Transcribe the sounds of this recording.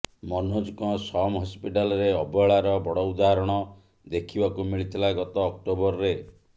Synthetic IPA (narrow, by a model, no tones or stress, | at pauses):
mɔnɦod͡ʒukɔsɔmɦɔspiʈalɔɾeɔbɔɭaɾɔbɔɽɔud̪aɦaɾɔɽ̃ɔ | d̪ekʰibakumiɭit̪ʰilaɡɔt̪ɔːk̚ʈobɔɾɔɾe